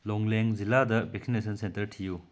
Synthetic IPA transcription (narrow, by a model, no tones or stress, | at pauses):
loŋlɛŋzilad̪ɐbeksinesɐnsent̪ɐɾtʰiju